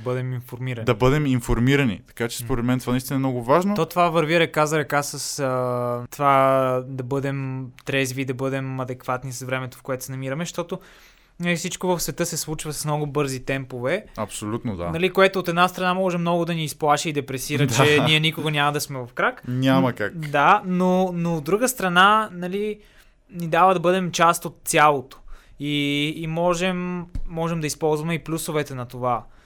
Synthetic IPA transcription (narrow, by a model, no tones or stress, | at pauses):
bɤd̪ɛminfoɾmiɾɐnd̪ɐbɤd̪ɛminfoɾmiɾɐnḭt̪ɐ̥kat͡ʃɛ̥spoɾɛd̪mɛnt̪ovanɐist̪inəɛmnɔɡʊvaʒnot̪ot̪ovavəɾviɾɛkazɐɾɛkasəsət̪ovad̪ɐbɤd̪ɛmt̪ɾɛzviːd̪ɐbɤd̪ɛmɐd̪ɛkvat̪nisɐsvɾɛmɛt̪o̥fkoɛt̪ʊ̥sɛnɐmiɾəmɛʃt̪ɔt̪o | nɐlifsit͡ʃkovɐfsvɛt̪ɤsɛslˠut͡ʃvɐsɐ̥smnɔɡʊbɤɾzit̪ɛmpovɛɐpsolʲut̪nod̪a̰nɐlikoɛt̪oːt̪ɛd̪nast̪ɾɐnamɔʒɛmnɔɡʊd̪ɐniːsplˠaʃɛid̪ɛpɾɛsiɾədt͡ʃɛniɛnikoɡɐnʲamɐd̪ɐsmɛvɐfkɾaknʲamɐkakd̪anonoːd̪d̪ɾuɡəst̪ɾɐnanɐli | nid̪avəd̪ɐbɤd̪ɛmt͡ʃast̪ot̪̚sʲjalˠot̪o̥ | iːmɔʒɛmːɔʒɛmd̪ɐispɔlˠzvɐmɛiplʲusovɛt̪ɛnɐt̪ova